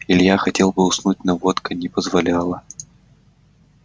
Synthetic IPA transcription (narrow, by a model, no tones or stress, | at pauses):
ɪlʲjaxɐtʲe̞lˠbɨʊsnut̚ʲnɐvot̪kənʲɪpəzvɐlʲalˠə